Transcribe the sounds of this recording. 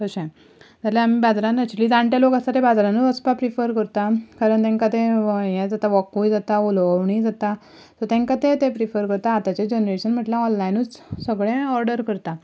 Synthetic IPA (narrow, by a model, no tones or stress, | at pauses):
kəɕɛ̃ | d͡zaleam̤iːbad͡zɾãnɛk̚t͡ɕuliːd͡zãɳʈjalokast̪at̪ebad͡zɾãnut͡səspapɾifəɾkəɾt̪akaɾəɳt̪ɛ̃ŋkat̪ẽjẽd͡zat̪aʋɔkujd͡zat̪aolaʋɳid͡zat̪a | t̪ɔt̪ɛ̃ŋkat̪ẽt̪epɾifəɾkəɾt̪aːt̪at͡ɕed͡ʑenɾeɕənm̤əʈlaɔnlainut͡ssəɡɭẽɔɾɖəɾkəɾt̪a